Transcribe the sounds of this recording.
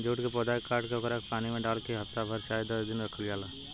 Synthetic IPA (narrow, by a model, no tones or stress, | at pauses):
d͡ʒuːʈkepɔːd̪aːɪkːaːɾʈkeʊkəɾeːkpaːnimẽɖaːlkeɦɐft̪abʱɐɾʃaːjd̪əsd̪ɪnɾɐkʰəljaːla